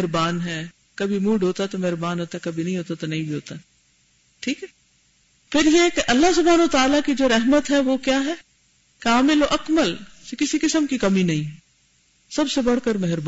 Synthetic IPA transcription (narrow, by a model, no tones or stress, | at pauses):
ɾbaːnɦɛː | kɐbʱimũːɖɦoːt̪aɛt̪omɛɦɾbaːnɦoːt̪aɛkɐbʱinɐɦĩɦoːt̪at̪onɐɦĩbʱiɦoːt̪aɛ | ʈʰiːkɦɛ | pʰɪɾjekʔɐlːaɦsʊbʱaːnoʋət̪aːlakid͡ʒoːɾɛɦmət̪ɦɛʋokjaːɦɛː | kaːmɪloʔɐkməlsekɪsikɪsəmkikɐmĩnɐɦĩ | sɐbsebɐɽkəɾmɛɦɾb